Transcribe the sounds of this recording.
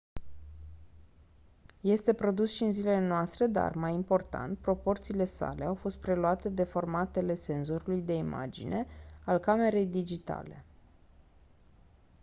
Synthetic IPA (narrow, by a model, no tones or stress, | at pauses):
je̞st̪e̞pɾo̞d̪usʃiːnzilelenoast̪ɾe̞d̪a̰rmajimpo̞rt̪a̰nt̪̚pɾo̞po̞rt̪siːle̞sa̰leawfo̞st̪̚pɾe̞luat̪e̞d̪e̞fo̞rmat̪e̞le̞se̞nzo̞ɾulujd̪e̞ima̰d͡ʒḭnʔe̞alkame̞ɾe̞jd̪id͡ʒit̪a̰le̞